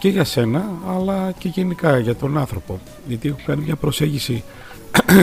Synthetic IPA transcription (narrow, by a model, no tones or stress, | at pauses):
ceʝɐse̞nɐːlɐce̞ʝenikɐʝɐt̪o̞nɐnθɾo̞po̞ | ʝɐt̪iexukɐnimɲɐpɾo̞se̞ɲɟisi